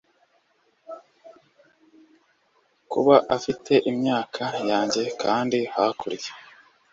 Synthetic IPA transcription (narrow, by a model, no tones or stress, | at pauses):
kṵβaʔafitʰe̞ʔimɲaːkʰajaːɲɟe̞kʰaːndihakʰuɾije̥